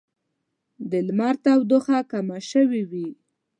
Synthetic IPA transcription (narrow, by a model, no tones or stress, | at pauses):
d̪ɪlmaɾt̪awd̪ʊxakamaʃəwiwi